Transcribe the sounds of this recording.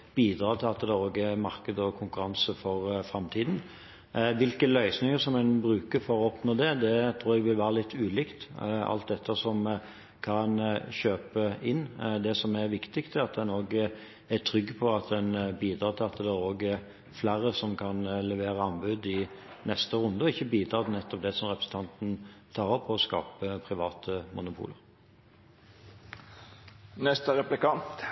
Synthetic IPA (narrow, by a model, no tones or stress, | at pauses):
b̥iːd̪ɾɑːt̪ʰɪlɑt̪d̪ɛoːɡæɾmɑɾkəd̪əɔkʰʊŋkʉɾɑnsəfɔɾfɾɑmt̪ʰiːd̪n̩ | ʋɪlkəlœʏsnɪŋəsɔmɛnbɾʉːkəɾfɔɾɔɔpnoːd̪ɛd̪ɛt̪ʰɾuːɾɛɡʋɪlʋæːɾəlɪt̪ʰːʉːliːkt̪ɑ̰lt̪̚d̪ɛt̪ʰːəsɔm | kʰɑnɕøːpəɪnːd̪ɛsɔmæɾʋɪkt̪ɪkt̪ʰɛɑt̪̚d̪ɛnoːɡ | æt̪ʰɾʏɡːpʰɔɑt̪d̪ɛnbiːd̪ɾɑːt̪ʰɪlɑt̪ːəd̪ɛæoːɡə | flæɾəsɔmkʰɑnlɛʋeːɾəɑnbʉd̪ɪnɛst̪əʁʉnd̪əɔɪçːəbiːd̪ɾɑːt̪ɪnɛt̪ːɔp̚d̪ɛsɔmʁɛpɾəsn̩t̪ʰɑnt̪n̩t̪ʰɑːʁɔpʰːɔɔskɑ̰ːpəpʰɾɪʋɑːt̪ʰəmʊnʊpʰṵːlə̰ɾ | nɛst̪əɾɛplɪkɑnt̪